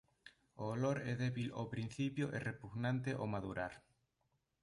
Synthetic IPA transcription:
oːloɾɛðɛβilo̰pɾin̟θipjoʔerepuɣnãnt̪eʔomaðuɾaɾ

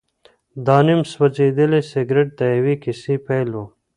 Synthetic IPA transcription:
d̪ɑːnimswɐd͡ʑeːd̪əleseɡɾeʈ̚t̪ajɐwikisipejlo

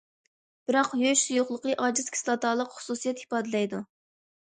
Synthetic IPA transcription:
b̥ɨɾɑqjøʃsujoχlˠəqəʔɑːd͡ʒɨz̥kʲʰslˠɑt̪ʰɑːlˠəqχʊ̥susijɛt̪hi̥pɑːd̪ɨlɛjd̪u

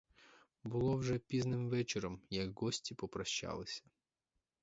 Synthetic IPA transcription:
bʊlˠɔwʒɛpʲiznɪmʋɛt͡ʃeɾɔmjɐɡːɔsʲtʲipɔpɾɐʃt͡ʃɑ̰lˠɪsʲɐ̥

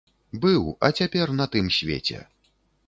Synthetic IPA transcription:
bɨwɐ̰t͡sʲapʲɛrnɐt̪ɨmsʲvʲḛt͡sʲɛ̰

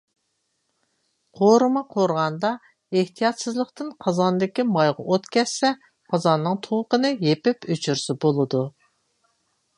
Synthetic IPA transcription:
qʰoɾɨmɑqʰoɾʁɑnd̪ɑ | eht̪ʰijɑt̪sɨzlˠəqt̪ɨnqʰɑzɑnd̪ɪkʲimɑjʁɑ̰ʔot̪kʲʰɛsːɛ | qʰɑzɑnːɨŋt̪ʰowqənɨjepɪpyt͡ʃʰyɾsɪbolˠɨd̪u

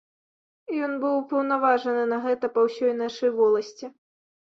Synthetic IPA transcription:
jɔnbɨwpɐwn̪avaʐɐnɨnɐɣɛt̪ɐpɐwsʲɔjnaʂɐjvɔlˠɐsʲt͡sʲi

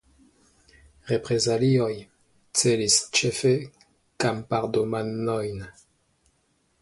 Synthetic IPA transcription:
ʁe̞pɾe̞zalio̞j | t͡se̞list͡ʃe̞fe | kampaɾdomanojn

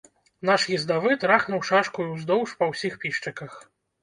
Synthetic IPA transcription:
naʂjizd̪avɨt̪ɾaxnuwʂaʂkujiwzd̪ɔwʂpɐwsʲixpʲiʂt͡ʂɐkɐx

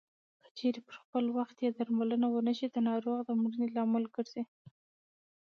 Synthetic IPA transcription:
kə̥t͡ʃeɾepəɾxpəlwaxt̪jed̪aɾmalənawənəʃid̪ənɑɾoɣd̪əmɾənelɑmɪlkəɾse

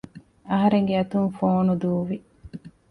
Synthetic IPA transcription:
ɐɦɐɾeŋɡeɐt̪uŋfoːnud̪uːʋi

